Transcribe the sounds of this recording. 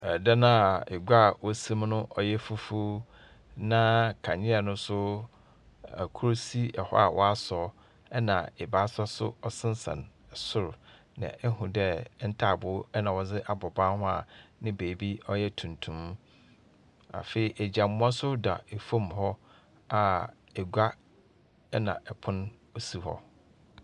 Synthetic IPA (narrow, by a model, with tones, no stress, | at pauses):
ɛ˨da˦nã˦˨ɪ˨ɡa˦˨wɔ˦sĩ˦mnʊ̃˦ʔɔ˨jɛ˦fu˦fu˦ | nã˦kʰã˨ɲɪ̃˦ɛ˨nʊ̃˦sʊ˦ | a˨kʰu˦ɾo˦si˦ɛ˨hɔ̰˦a̰˨wʔɔ̰˦a˦sɔː˨˦ | ɛ˦nã˨ɛ˨baː˨˦sɔ˦sʊ̰˦ɔ˦sɪ̃˦n˦sã̰˨nɛ˨sʊ˦ɾʊ˨ | nã̰˨ɛ˦hũ˨dɛ˦n̩˦tʰa˦˨bʊ˨˦ɛ˦nã˨wɔ˨d͡zɪ˦ʔa˨bɔ˨bã˦hʊ̃˦a̰˨nɪ̃˦beː˨bi˦ɔ˦jɛ˦tʰũ˨ntʰũ˨m | a̰˨fe˨i˨ʔɛ˨d͡ʑa˨mʊ̃˦ã˦sʊ˦da̰˨e˨fõ˦˨mɦɔ˦ | a˨ | ɛ˨ɡʷa˦ | ɛ˦nã̰˨ʔɛ˨pʰʊ̃˦n | o˦si˦hɔ̰˦